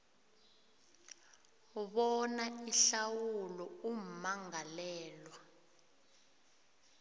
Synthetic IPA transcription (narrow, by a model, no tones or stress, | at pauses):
ɓɔnaiɬawulɔum̩maŋalɛːlwa